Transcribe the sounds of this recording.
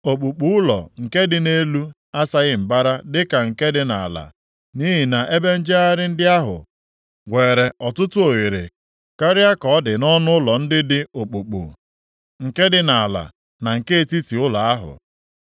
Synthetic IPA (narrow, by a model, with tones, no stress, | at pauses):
o˨k͡pu˨k͡pu˦ʊ˦lɔ̰˨ŋ̩˨ke˦dɪ˨ne˦lu˦ | a˦sa˦ɣɪ˦m̩˨ba˦ɾa˦dɪ˦ka˨ŋ̩˨ke˦dɪ˦na̰˨a˨la̰˨ | ni˦ɦi˨na˨ʔe˦be˦n̩˦d͡ʒe˦a˦ɾɪ˦n̩˦dɪ˦a˦ɦʊ̰˨ | ɡʷe˨ɾe˨ɔ˨tʊ˦tʊ˦o˨ɣe˨ɾḛ˨ | ka˦ɾɪ˦a˦kɔ˨˦dɪ˨nɔ˦nʊ˦ʊ˦lɔ˨n̩˦dɪ˦dɪ˦o˨k͡pu˨k͡pṵ˨ | ŋ̩˨ke˦dɪ˦na˨a˨la̰˨ | na˨ŋ̩˨ke˦e˦˨ti˦ti˨ʊ˦la˨a˦ɦʊ̰˨